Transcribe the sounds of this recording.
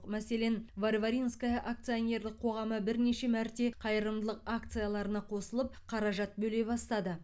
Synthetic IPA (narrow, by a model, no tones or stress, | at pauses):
qmæse̞le̞nvarvaɾinskajɑʔak̚t̪sijone̞ɾlɪk̚qʰo̞ʁɑməbɪɾne̞ʃe̞mæɾt̪e̞qʰɑjəɾəmd̪əlˠəqakt̪sɨjalˠɑɾənɑqʰo̞səlˠəp̚qʰɑɾɑʒɑt̪̚bɵle̞bɑst̪ɑd̪ə